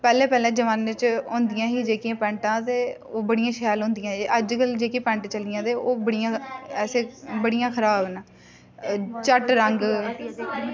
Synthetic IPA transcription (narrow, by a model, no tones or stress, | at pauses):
pɛːlɛ̃ːpɛːlɛ̃ːd͡ʒəʋaːnːet͡ʃɦõːnd̪ɪjãːɦiːd͡ʒeːkiãːpɛ̃ːɳʈãːt̪eː | oːbəɽijãːʃɛːlɦõnd̪ɪjãːeʔəd͡ʒkəld͡ʒeːkiːpɛ̃ːɳʈt͡ʃəlɪjãːt̪eːʔoːbəɽijãːɛːseːbəɽijãːkʰəɾaːbna | t͡ʃəʈɾəŋɡ